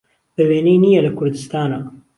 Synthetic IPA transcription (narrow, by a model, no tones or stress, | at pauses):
bɐweːnejnijɛlɐkʰʊɾd̪ɨst̪aːna